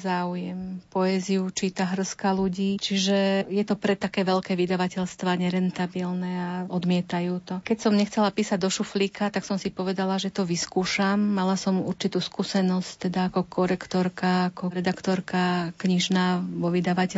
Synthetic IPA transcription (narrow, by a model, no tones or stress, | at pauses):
zaːujɛmpɔɛziut͡ʃiːt̪aɦr̩skaluɟiːt͡ʃiʒɛjɛt̪ɔpɾɛt̪ːakɛːʋɛlkɛːʋid̪aʋacɛʎst̪ʋaɲɛɾɛnt̪abilnɛaɔd̪mɪɛt̪ajuːt̪ɔkɛcsɔmɲɛxt͡sɛlapiːsaɟ̚d̪ɔʃuflikat̪aksɔmsipɔʋɛd̪alaʒɛt̪ɔʋiskuːʃamːalasɔmuɾt͡ʃit̪uːskusɛnɔsct̪ɛd̪aːkɔkʰɔɾɛkt̪ɔɾkaːkɔɾɛd̪akt̪ɔɾkakɲiʒnaːʋɔʋid̪aʋacɛ